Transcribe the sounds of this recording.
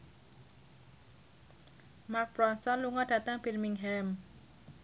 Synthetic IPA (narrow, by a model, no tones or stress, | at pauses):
mak̚bɾɔnsɔnluŋɔd̥ä̤t̪əŋb̥irmiŋɦɛm